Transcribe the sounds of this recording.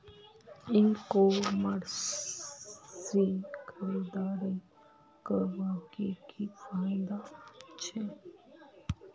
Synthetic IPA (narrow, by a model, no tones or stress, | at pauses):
ɪnkoməɾ | sikʰəɾid̪aːɾi | kəɾʋakekisãnd̪at͡ʃʰe